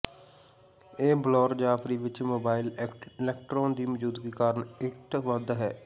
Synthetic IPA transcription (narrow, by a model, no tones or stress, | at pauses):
eːblɔːɾd͡ʒaːfɾiːʋɪt͡ʃmoːbaːɪlɪlɛk̚ʈɾõːnd̪iːməd͡ʒuːd̪ɡiːkaːɾəɳɪʈʋə̃d̪ɦɛː